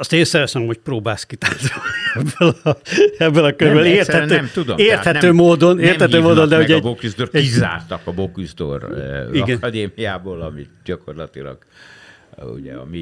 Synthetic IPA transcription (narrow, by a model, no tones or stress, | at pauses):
ɒst̪eːnsɛɾɛsɛnomhocproːbaːlskit̪aːzoiɛbːøl | ɛbːølɒkøɾbøleːrt̪hɛt̪øːɛmud̪omeːrt̪hɛnøːmoːd̪o̞neːrhɛt̪øːmoːd̪ond̪ɛuɟɛbokyzd̪oriza̰ːrt̪ɒkɒbokuzd̪o̰riɡɛnd̪eːmijaːboːlɒmit̪ɟɒkorlɒt̪ilɒ̰ɡ̥ | ṵɟɛ̰ɒ̰mi